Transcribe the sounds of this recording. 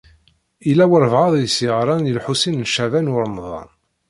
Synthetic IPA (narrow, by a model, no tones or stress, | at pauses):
ilæwəɾvʕɑðˤjəsiʁɾˤɑnjəlħusinnʃævænwʊɾˤmðˤɑ̰n